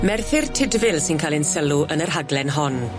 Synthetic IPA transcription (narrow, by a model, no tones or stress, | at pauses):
mɛrθɪrtʰɪdvɪlˠsɪnkʰalˠɪnsəluʔənərɦaɡlɛnɦɔn